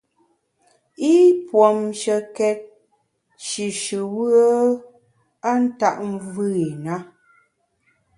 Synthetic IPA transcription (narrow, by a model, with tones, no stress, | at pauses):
i˦pwɔ˨mʃə˨kɛ˨t̚ | ʃi˨ʃɨ˨wə˦ | a˦n̩˦ta˦˨ʔm˦vɨ˦i˨na˦